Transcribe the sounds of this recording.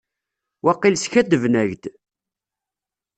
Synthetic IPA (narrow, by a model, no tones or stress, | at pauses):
wɑqːɪlsçæd̪əvnæʝd̪